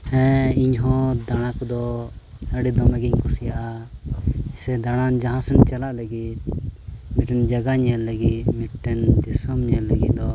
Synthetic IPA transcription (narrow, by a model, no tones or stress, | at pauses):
hɛ̃iɲɦɔ̃d̪aɽ̃akd̪ɔ | əɽid̪ɔmɛɡiɲkɔsijaʔa | sɛd̪aɽ̃and͡ʒaɦãsunt͡ʃalaʔləɡit̪̚miʈɛnd͡ʒaɡaɲɛləɡit̪miʈɛndisəmɲɛləɡḭt̪̚d̪ɔ